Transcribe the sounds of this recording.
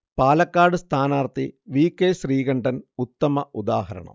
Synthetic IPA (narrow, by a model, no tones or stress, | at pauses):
paːlɐkːaːɽɨst̪ʰaːnaːrt̪iʋiːkːeɕriːɣɐɳɖɐnut̪ːɐmɐud̪a̰ːhɐɾɐ̰ɳɐ̰m